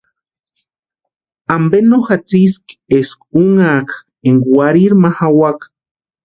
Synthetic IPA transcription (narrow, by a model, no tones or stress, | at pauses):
ambenoxat͡siskeskuŋak | eŋwaɾiɾmahawak